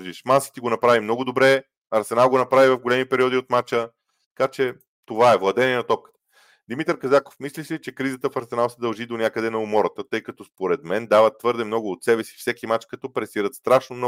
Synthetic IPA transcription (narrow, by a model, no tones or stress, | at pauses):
ʒiʃmasi̥t̪iɡonɐpɾavimnɔɡʊd̪obɾɛ | ɐɾsɛnalˠɡonɐpɾavivɐvɡolɛmipɛɾiɔd̪iot̪mat͡ʃə | t̪ɐkat͡ʃɛ | t̪ovaɛvlˠɐd̪ɛnʲiɛnɐt̪ɔp̚kə̥t̪ə̥ | d̪imit̪əɾkɐzako̥fmislʲiʃlʲit͡ʃɛkɾizət̪əfɐɾsɛnalˠsɛd̪ɐlˠʒid̪onʲjakəd̪ɛnɐomɔɾət̪ət̪ɤjkɐt̪ɔspoɾɛd̪mɛnd̪avət̪ːvɤɾd̪ɛmnɔɡʊːt̪sɛbɛsi̥fsɛkimat͡ʃkɐt̪ɔpɾɛsiɾət̪st̪ɾaʃnomnɔ